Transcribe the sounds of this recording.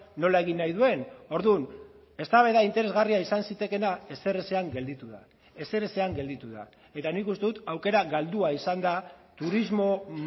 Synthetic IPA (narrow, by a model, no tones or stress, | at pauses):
no̞lae̞ɣ̞inːajðue̞no̞ɾðun | e̞st̪aβe̞ðaint̪e̞ɾe̞zɣariaisansit̪e̞ke̞nae̞se̞reseaŋɡe̞ld̪it̪uða | e̞se̞ɾese̞aŋɡe̞ld̪it̪uða̰ | e̞t̪anikust̪e̞ðut̪awke̞ɾaɣald̪uaisand̪at̪uɾizmo̞